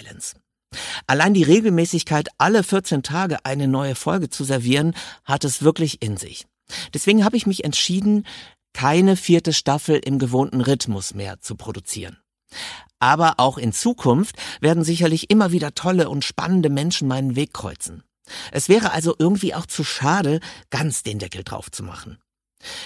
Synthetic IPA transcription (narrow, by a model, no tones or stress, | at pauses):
lɛ̰ns | ʔalaɪndiːʁeːɡl̩mɛːsɪçkʰaɪtʔaləfɪɐt͡seːntʰaːɡəʔaɪnənɔʏəfɔlɡət͡suzɛɐviːʁənhatɛsv̥ɪɐklɪçɪnzɪ̰ç | d̥ɛsv̥eːɡŋ̩haːbəɪçmɪçɛ̰ntʃiːdn̩ | kʰaɪnəfiːɐtəʃtafl̩ʔɪmɡəvoːntn̩ʁɪtmʊsmḛːɐt͡supʁ̥odut͡sḭːʁən | ʔaːbɐʔaʊxɪnt͡suːkʰʊnftv̥eːɐdn̩zɪç̬ɐlɪçʔɪmɐviːdɐtʰɔləʔʊntʃpa̰nəndəmɛnʃn̩maɪnənveːkːʁ̥ɔ̰ʏt͡sn̩ | ʔɛsv̥ɛːʁ̞əʔalzoʔɪɐɡŋ̩tv̥iːʔaʊxt͡suʃaːɾəɡ̥ant͡sd̥eːndɛkl̩dʁa̰ʊft͡suma̰χn̩